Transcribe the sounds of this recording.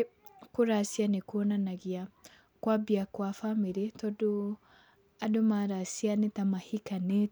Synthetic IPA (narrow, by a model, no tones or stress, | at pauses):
koɾasianekwɔnanaɣia | kwabiakwafamiɾetɔdo | adomaɾasianetamahikane